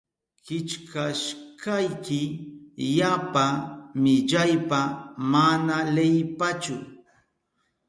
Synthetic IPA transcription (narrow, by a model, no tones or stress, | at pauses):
kɪt͡ʃkaʃkajkɪjapamɪʎajpamanalejpat͡ʃʊ